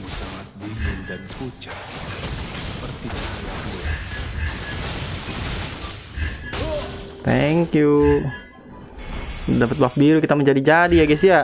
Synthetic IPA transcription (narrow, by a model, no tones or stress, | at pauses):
at̪̚idankut͡ʃa | səpərt̪ia | t̪ɛŋkju | dapət̪̚bafbiɾukit̪aməɲd͡ʒadid͡ʒadiaɡɛsia